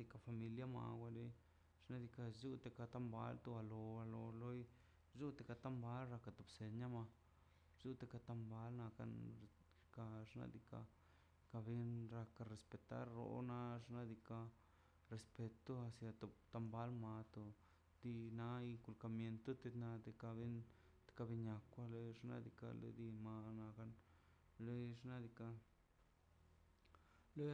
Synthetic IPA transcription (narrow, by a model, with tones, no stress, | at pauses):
d̪i˧ka˧fa˧mi˧lja˦ma̰˨wʷa˧le˧˦ | ʐ̥na˦d̪i˧ka˧zu˦t̪e˧ka˧t̪a˧mba̰˦lt̪u˧a˧lo˧a˧lo˧lo˦j | zu˦t̪e˧ka˧t̪a˦mba˦lɾa˧ka˧t̪o˨pse˧ɲa˦ma˧ | zu˦t̪e˧ka˧t̪a˧mba˦lna˧ka̰˧ | ka˧ʐna̰˧d̪i˧ka̰˧ | ka˧bi˧˦nɾa˧ka˧ɾe˧spe˧t̪a̰˦ɾːo̰˧˦na˦ʐna˦d̪i˧ka˧ | ɾe˧spe˧t̪o˦a˧sja˧t̪o˨t̪a˧mba˦lma˧t̪o˧ | d̪i˧na˦i˧ku˧lka˧mje˧nt̪o˦t̪e˧na˧d̪e˧ka˧bi˦n | t̪e̥˧ka˧bi˧ɲa˨kʷa˧lo˧ʐna̰˦d̪i˧ka̰˧lḛ˧d̪i˧ma˧na˧ka˦n | lo˦ʐna˦d̪i˧ka˧ | lo˦